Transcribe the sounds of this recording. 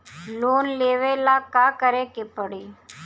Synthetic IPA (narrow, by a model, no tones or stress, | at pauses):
loːnleʋelakakəɾekepəɽe